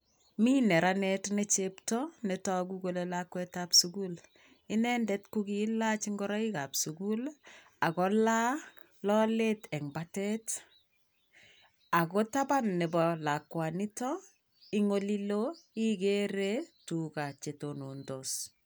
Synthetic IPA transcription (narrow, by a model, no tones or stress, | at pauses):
minɛɾanɛtnɛt͡ʃeptɔnɛtɔɡuɡolelakwɛtapsuɡul | inɛndɛtkuɡilat͡ʃiŋɡɔɾaikapsuɡul | akɔla | lɔletɛŋbatɛt | akɔtabanːɛbɔlakwanitɔ | iŋoliloiɡeɾetukat͡ʃetonondos